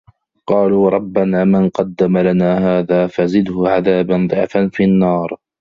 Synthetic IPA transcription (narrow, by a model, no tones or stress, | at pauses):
qɑːluːɾˤɑbːanaːmanqɑd̪ːamalanaːɦaːðaːfazɪd̪hʊʕaðaːband̪ˤɨʕfanfinːɑːɾˤ